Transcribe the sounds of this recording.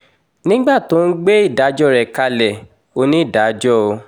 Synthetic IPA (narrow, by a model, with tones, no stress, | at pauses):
nĩ˦ɡ͡ba˦˨to˨˦n̩˦ɡ͡be˦i˦˨da˨˦d͡ʒɔ˦˨ɾɛ˨ka˧lɛ˨ | o˧nĩ˦i˦˨da˨˦d͡ʒɔ˦o˧